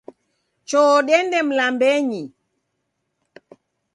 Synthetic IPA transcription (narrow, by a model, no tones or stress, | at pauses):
t͡ʃɔɗɛndɛm̩lambɛɲi